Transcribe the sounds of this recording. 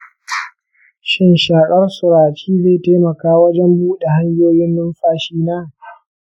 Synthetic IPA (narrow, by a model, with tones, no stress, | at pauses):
ʃɪ˦nʃaː˨kʼɐ˦rsʊ˨ɾaː˨t͡ʃiː˦zeː˨ta˦mɐ˨kaː˦wɐ˦d͡ʒɛ˦mbuː˦ɗe˨ha˦ɲjoː˦jɪ˦nːʊ˦mɸaː˦ʃiː˦naː˦˨